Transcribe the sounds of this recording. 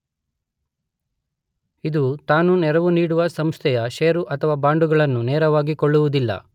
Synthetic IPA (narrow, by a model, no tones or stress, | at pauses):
id̪ut̪aːnunɛɾɐʋuniːɽuʋɐsɐmst̪ʰɛjɐʃeːɾuʔɐt̪ʰɐʋaːbaːɳɖuɡɐɭɐnːunɛːɾɐʋaːɡikɔɭːuʋud̪ilːɐ̰